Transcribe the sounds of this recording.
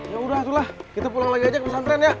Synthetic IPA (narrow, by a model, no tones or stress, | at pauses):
jaudaht̪ulahkit̪apulaŋlaɡiad͡ʒaknnant̪ɾɛnja